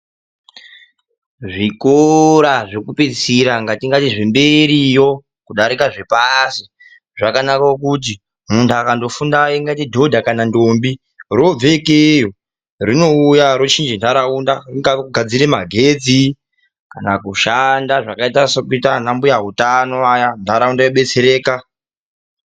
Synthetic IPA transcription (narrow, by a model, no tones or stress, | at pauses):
ʐikoɾaʐekupisiɾaŋɡatiŋɡatiʐembe̞ɾijo̞ | kuɗaɾikaʐe̞pasi | ʐakanakaokut̬i | muntʰuakando̞fundaiŋɡatidʱo̞dʱakanandombi | rob͡vekejo | rino̞ujaɾot͡ʃind͡ʒindaɾaundariŋɡaɡʱad͡ziɾemaɡʱed͡zi | kanakuʃandaʐakaitasokuitan̤ambujaɦutanoajandaɾaundajoɓe̞t͡seɾeːka